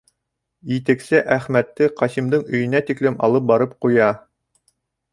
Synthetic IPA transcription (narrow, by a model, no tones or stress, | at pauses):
jit̪ɘ̆ksɘʔæχmæt̪ːɘqɑsimd̪ɤɴɵ̆jɵ̆næt̪iklɘmɑ̰lˠɤp̚bɑɾɤp̚qujɑ